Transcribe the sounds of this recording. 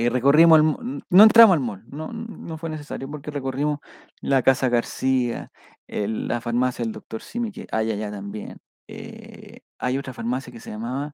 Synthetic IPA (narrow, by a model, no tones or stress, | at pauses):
rekorimoalmonoent̪ɾamosalmolno̰nofwenes̬esa̰ɾjopoɾkerekorimo | lakasaɣaɾsia̰ | ela̰faɾmasjaeld̪ok̚t̪o̞ɾsimikḛʔajaʎat̪ambje̞̰n | ḛ | a̰jo̞t̪ɾafaɾmasjakeseʝamaβa